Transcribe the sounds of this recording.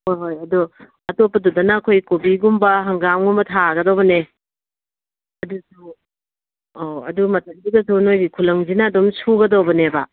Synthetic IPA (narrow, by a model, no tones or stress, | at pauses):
hojɦojɐdu | ɐtopːɐdudɐnɐːkʰojkobiɡumbɐɦɐŋɡamɡumbɐtʰaɡɐdowbɐne | ɐdusu | oɐ̰dumɐtʰɐk̚diɡɐsunojɡikʰulɐŋzinɐːdɔmsuɡɐdowbɐnebɐ